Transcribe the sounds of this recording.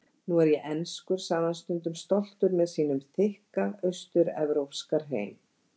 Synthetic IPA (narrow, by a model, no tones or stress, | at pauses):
nuɛɾjɛʔɛnskʏɾ̥saːðanst̪ʏnt̪ʏmst̪ɔl̥t̪ʏɾmɛðsiːn̪ʏmθɪhkaœɥst̪ʏɾɛvɾowpskaɾ̥ɦḛːjm